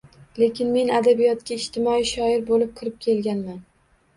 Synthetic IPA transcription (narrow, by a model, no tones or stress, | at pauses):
le̞kʲʰɪnme̞nad̪abijɒt̪̚kʲaɪʃt̪ʰɪmɒiʃɒɪɾbolɪp̚kʰɨɾɪp̚kʲʰe̞lɡʲanman